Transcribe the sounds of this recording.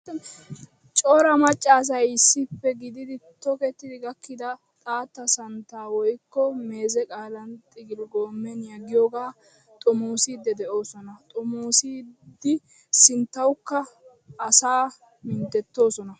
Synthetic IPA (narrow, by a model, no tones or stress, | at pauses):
t͡ʃʼoːɾɐmɐt͡ʃʼːaːs̬ɐjɪsːɪpːɛɡɪd̪ɪd̪ɪt̪ɔkɛt̪ːɪd̪ɪɡɐkːɪd̪ɐ | t̪ʼaːt̪ːɐsɐnt̪aːwɔjkːɔme̞ːzɛkʼaːlɐnt̪ʼɪɡɪlɡoːmːɛnjɐɡɪjoːɡaː | t̪ʼɔmoːsiːd̪ːɛd̪ɛʔo̞ːsɔnɐt̪ʼɔmoːsiːd̪ɪ | sɪnt̪ːɐwkːɐː | saː | mɪnt̪ɛt̪ːo̞ːsɔnɐ